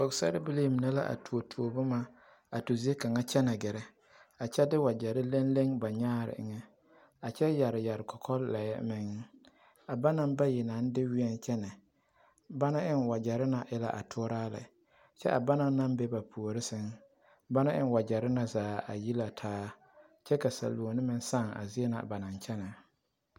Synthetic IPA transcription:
o˨ɡsa̰˦ɾɪ˦bɪ˦le˦˨m˨nɛ˦la̰˦ʔa̰˨tu˨o˨tʰu˨o˨bʊ˦ma˦ | a˨tu˨zi˦e˦ka˨ŋa˦t͡ʃɛ˦nɛ˨ɡɛ˨ɾɛ˦ | a˨t͡ʃɛ˦dɪ˦wa˨d͡ʒa˨ɾɪ˦le˦nle˦ŋba˨ɲaː˦ɾɪ̰˨ʔɪ˨ŋɛ˦ | a˨t͡ʃɛ˦ja˨ɾɪ˨ja˨ɾɪ˨kʰɔ˨kʰɔ˦lla˨jɛ̰˦mɪ˨ŋ˦ | a˨ba˦na˦mba˦jɪ˨na˨˦n˦dɪ˦wɪ˦ɛ˦nt͡ʃɛ˦nɛ˨ | ba˦na˦ɪ˦nwa˨d͡ʒa˨ɾɪ˦na˨ʔɪ˦la̰˦˨ʔa̰˨tʰʊ˦ɾaː˦la̰˨ | t͡ʃɛ̰˦ʔa˨ba˦na˦na˦mbɛ˦ba˨pʰu˨o˨ɾɪ˦sɪ˦ŋ | ba˦na˦ʔɪ̰˦n˦wa˨d͡ʒa˨ɾɪ˦na˨zaː˨˦˨a̰˨ji˦la˨tʰaː˦ | t͡ʃɛ˦ka˨sa̰˨lu˨o˨nɪ˦mɪ˦n˦sa˦˨ŋa̰˨zɪ˦ɛ˦na̰˨ba˨na˨nt͡ʃɛ˦nɛ˨

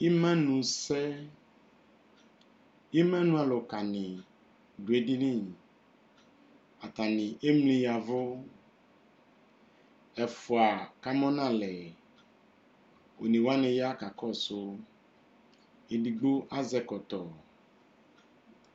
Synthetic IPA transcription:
i˦mɛ̃˦nũ˨sɛ˦ | i˦mɛ̃˦nũ˦a˨lʊ˨ka˨nɪ̃˨ | du˨e˨di˦nĩ˦˨ | a˨t̪a˨nɪ̃˨ʔe˦mlĩ˨ja˨vʊ˦ | ɛ˨fʊ˨a˨ka˦mɔ̃˦nã˦˨lɛ˨ | o̰˨nĩ˨wa˦nɪ̃˨ja˦ka˨kɔ˦so˨ | e˨di˨ɡ͡bo˦ʔa˦zɛ˦kɔ˨t̪ɔ˨

